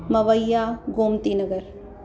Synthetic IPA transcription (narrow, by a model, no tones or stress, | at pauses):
mɐβɐjːaɡomt̪inɐɡɐɾ